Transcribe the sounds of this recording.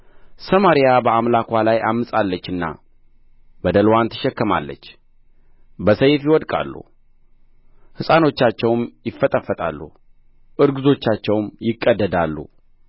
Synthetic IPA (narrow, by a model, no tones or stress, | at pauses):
səmaɾijabəamlakʷalajamːɨsʼalːət͡ʃːɨnːa̰ | bəd̪əlwant̪ʰə̥ʃɛkːəma̰lːə̰t͡ʃː | bəsəjfjiwɔd̪kʼa̰lːṵ | hɨsʼano̞t͡ʃːat͡ʃːɛwmjɪfːət̪ʼəfːət̪ʼa̰lːṵ | ʔɨɾɡɨzo̞t͡ʃːat͡ʃːɛwmjɪkʼːəd̪ːəd̪alːṵ